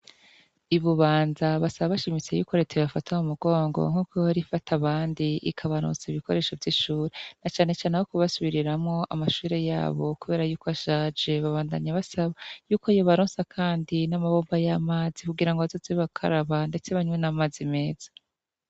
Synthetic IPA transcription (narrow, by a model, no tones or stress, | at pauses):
iβuβaːnzaβasaβaβaʃimit͡se̞jṵko̞ɾe̞teβafatamumuɡo̞ːŋɡo̰ŋ̥hukweohaɾifatʰaβaːndiʔḭkʰaβaɾo̰ːnsaiβiko̞ɾe̞ːʃovjiʃuːɾenat͡ʃaːne̞t͡ʃaːnehokuβasuβiɾiɾamŋo̞ʔa̰maʃuːɾe̞ja̰ːβo̞kuβe̞ːɾajuːkoaʃaːd͡ʒe̞βaβaːndaɲaβasaβajuːko̞ijoβaɾoːnsakʰaːndinamaβo̞ːmbajamaːzikuɡiɾaŋɡoazoziiβakʰa̰ɾaβande̞t͡se̞βaɲwenamaːzime̞ːz̥ḁ